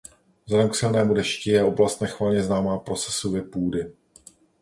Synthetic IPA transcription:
vzlɛdɛmksɪlnɛːmudɛʃcɪjɛʔo̞blast̪̚nɛxvalɲɛznaːmaːpɾo̞t͡sɛ̥sovɛpuːdɪ

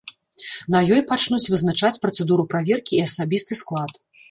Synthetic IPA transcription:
nɐjɔjpat͡ʂnut͡sʲvɨznat͡ʂat͡sʲpɾɐt̪sɛd̪uɾupɾavʲɛrkʲiːɐsabʲist̪ɨsklˠat̪

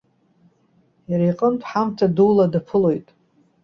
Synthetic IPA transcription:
jaɾajqʼənpʰħamtʰaduladapʰɨlojtʼ

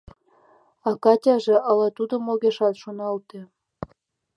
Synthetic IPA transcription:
ɑkɑtʲɑʒĕʔɑlɑt̪ud̪ŏmoɣʲeʃɑt̪ʃonɑlt̪ĕ

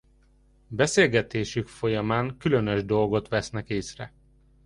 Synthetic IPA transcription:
bɛseːlɡɛt̪eːʃykfo̞jɒmaːŋkylø̞nøʒd̪o̞lɡo̞t̪ʋɛsnɛkeːsrɛ

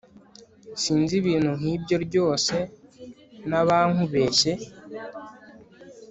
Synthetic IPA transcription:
siːnziβiːn̥huŋ̥hiːbjo̞ɾɟo̞ːse̞ | naβaːŋ̥huβe̞ːʃe̞

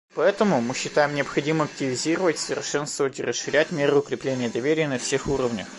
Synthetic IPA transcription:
pɐɛt̪əmʊmɨɕːɪt̪ajɪmnʲɪɐpxɐdʲimɨmɐk̚tʲɪvʲɪzʲiɾəvətʲsəvʲɪrʂɛnst̪vəvətʲɪrəsʂɨɾʲætʲmʲeɾɨʊkɾʲɪplʲenʲɪjəd̪ɐvʲeɾʲɪjənɐfsʲexuɾəvnʲəx

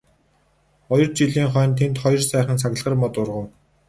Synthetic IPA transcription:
ɔjɞ̆rt͡ɕiɮiːŋχœːnt̪ʰent̪χɔjɞ̆rsæːχə̆nsʰaɣə̆ɮʁə̆rmɔt̪ʊrʁə̆w

